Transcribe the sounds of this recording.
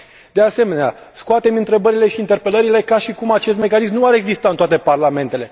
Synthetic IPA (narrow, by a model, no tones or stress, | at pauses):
d̪̥e̞ase̞me̞nea̰skoat̪e̞mɨnt̪ɾe̞bəɾile̞ʃiːnt̪e̞rpe̞ləɾile̞kaʃikumat͡ʃe̞st̪me̞kanismnuaɾe̞ɡzist̪aɨnt̪oat̪e̞parlame̞nt̪e̞le̞